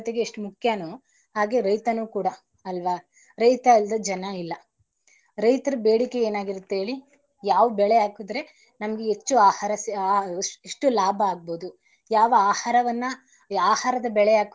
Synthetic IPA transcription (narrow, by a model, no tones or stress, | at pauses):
t̪eɡe̞ːʂʈumukʰjaːnu | ɦaːɡe̞ɾɐjt̪ɐnuːkuːɽɐ | ɐlʋaː | ɾɐjt̪ɐild̪ɐd͡ʒɐnɐilːɐ | ɾɐjt̪ɐɾɐbeːɽike̞eːnaːɡiɾut̪ːeeːɭi | jaːʋɐbɛɭeaːkud̪ɾe̞ | nɐmɐɡeet͡ʃːuaːhaɾɐs | eʂʈulaːbʱɐaːɡ̚bo̞ːd̪u | jaːʋɐaːhaːɾɐʋɐnːɐ | aːhaːɾɐd̪ɐbɛɭeaːk